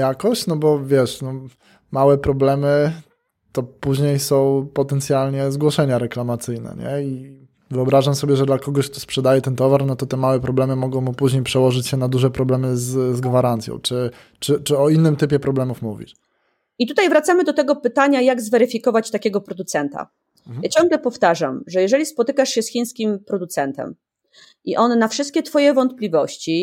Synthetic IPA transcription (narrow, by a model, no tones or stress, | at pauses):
jakɔɕt͡ɕnɔbɔvʲjɛʂnɔ | mawɛpɾɔblɛmɘ | t̪ɔpuʑɲejsɔ̃w̃pɔt̪ɛnt̪sʲjalɲɛzɡwɔʂɛɲaɾɛklamat̪sɘjnɛ̰ɲɛ̰i | vɘɔbɾaʐamsɔbʲjɛʐɛd̪lakɔɡɔɕkt̪ɔspʂɛd̪ajɛt̪ɛnt̪ɔvaɾnɔt̪ɔt̪ɛmawɛpɾɔblɛmɘmɔɡɔ̃w̃mupuʑɲejpʂɛwɔʐɘt͡ɕɕɛnad̪uʐɛpɾɔblɛmɘzzɡvaɾant̪sjɔ̰̃w̃t͡ʂɘ | t͡ʂɘt͡ʂɘɔinːɘmt̪ɘpʲjɛpɾɔblɛmufmuvʲḭʂ | it̪ut̪ajvɾat̪samɘd̪ɔt̪ɛɡɔpɘt̪aɲajaɡzvɛɾɘfʲikɔvat͡ɕt̪akʲɛɡɔpɾɔd̪ut̪sɛnt̪a̰ | jat͡ɕɔ̃ŋɡlɛpɔft̪aʐa̰mʐɛjɛʐɛlʲispɔt̪ɘkaʂɕɛsxʲij̃skʲimpɾɔd̪ut̪sɛnt̪ɛ̰m | ʔiʔɔnːafʂɘst̪kʲɛt̪fɔjɛvɔnt̪̚plʲivɔɕt͡ɕi